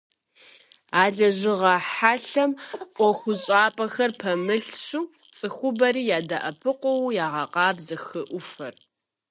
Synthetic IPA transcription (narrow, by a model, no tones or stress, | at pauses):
aːɮɐʑɪʁɐħaɬɐmʔʷɔxʷʊɕʼaːpʼɐxɐrpʰɐmɨɬɕuː | t͡sʼɨxʷʊbɐɾiːjaːdɐʔɐpʰɨqʷɔwjaːʁɐqɑːbzɐxɨʔʷʊfɐr